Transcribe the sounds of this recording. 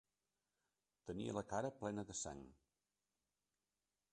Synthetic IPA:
t̪ənḭə̰ləkaɾəplɛnəðəsa̰ŋ

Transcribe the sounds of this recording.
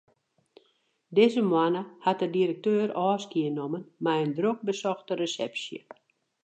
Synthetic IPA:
dɪzəmwanəhatədiɾək̚tøːrɔːskiənomənmɛjəndrok̚bəsɔxtəresɛ̰psjə̰

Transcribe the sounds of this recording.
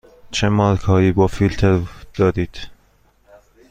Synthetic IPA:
t͡ʃʰemɒːɾkʰɒːjiːbɒːfilt̪ʰeɾd̪̥ɒːd̪iːd̪̥

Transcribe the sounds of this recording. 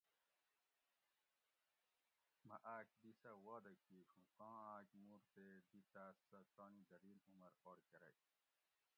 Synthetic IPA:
mɐʔaːkd̪isɐwaːd̪ɐkːiːʂũqɑ̃ːaːkmuɾt̪ed̪it̪aːsɐt̪oːnid̪ɐɾiːnumɐɾoːɽkɐɾɐ̰

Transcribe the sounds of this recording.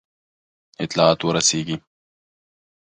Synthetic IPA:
ɪt̪lɑːat̪wəɾɐseːɡi

